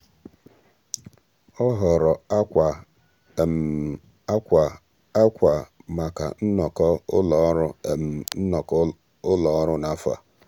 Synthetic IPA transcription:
ɔ˦ɦɔ˨ɾɔ˨˦˨ | kʷa˨ma˨ka̰˨n̩˦nɔ˨kɔ˦ʊ˦lɔ˨˦ɾʊ˦˨m̩˨˦nɔ˨k | ʊ˦lɔ˨ɔ˦ɾʊ˦na˦fa̰˨

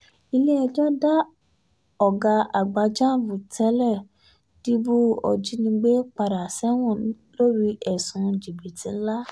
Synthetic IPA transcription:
i˧le˦ɛ˧d͡ʒɔ̃˦da˦ | ɔ˨ɡa˨˧a˨ɡ͡ba˨˧d͡ʒã˦˨vu˨tɛ˨˦lɛ˦˨ | di˦bu˦ɔ̰˨d͡ʒi˦nĩ˧ɡ͡be˦k͡pa˧ɾa˨sɛ˦w̃ɔ̃˦˨˦lo˦ɾi˧˦ʔɛ˨sũ˧˦d͡ʒi˨bi˨tĩ˨˦n̩˦la˦

